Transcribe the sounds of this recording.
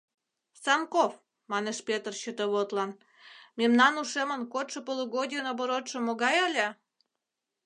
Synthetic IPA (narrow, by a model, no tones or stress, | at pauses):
sɑmkof | mɑneʃpʲet̪ərɕət̪oβot̪lɑn | mʲemnɑnuʃemənkot̪ʃəpolˠuɣod̪ʲiənoβoɾot̪ʃə̆moɣɑjɑlʲe